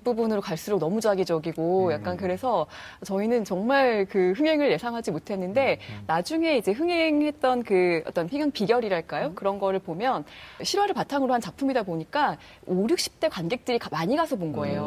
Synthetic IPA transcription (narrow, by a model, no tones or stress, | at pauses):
p͈ubunɯɾokaɭs͈uɾok̚nʌmud͡ʑaɡid͡ʑʌɡiɡojak̚k͈ankɯɾe̞sʰʌt͡ɕʌinɯnt͡ɕʌŋmaɭkɯɸɯŋe̞ŋɯɭje̞sʰaŋɦad͡ʑimotʰe̞nːɯnde̞nad͡ʑuŋe̞id͡ʑe̞ɸɯŋe̞ŋhe̞t̚t͈ʌnkɯʌt͈ʌnpʰiŋaŋpiɡjʌɾiɾaɭk͈ajokɯɾʌnɡʌɾɯɭpomjʌnɕʰiɾwaɾɯɭpatʰaŋɯɾohant͡ɕapʰumidaboɲik͈a | oɾjuk̚ɕ͈ʰi̥p̚t͈ekwanɡe̞k̚t͈ɯɾikmaɲiɡasʰʌbonɡʌe̞jo